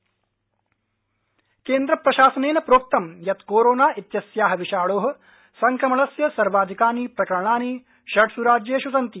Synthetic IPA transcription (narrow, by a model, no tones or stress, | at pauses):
keːnd̪ɾɐpɾɐʃaːsɐneːnɐpɾoːk̚t̪ɐmjɐt̪koːɾoːnaːʔit̪jɐsjaːɦɐ̆ʋiʃaːɭoːɦɐ̆ | sɐŋkɾɐmɐɭɐsjɐsɐɾʋaːd̪ʱikaːnipɾɐkɐɾɐɳaːni | ʃɐɽsuɾaːd͡ʒjeːʃusɐnt̪i